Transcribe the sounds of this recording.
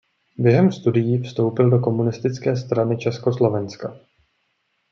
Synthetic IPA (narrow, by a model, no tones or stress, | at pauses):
bjɛɦɛmst̪udɪjiːfst̪o̞wpɪldo̞ko̞munɪst̪ɪt͡skɛːst̪ɾanɪt͡ʃɛsko̞slo̞vɛnska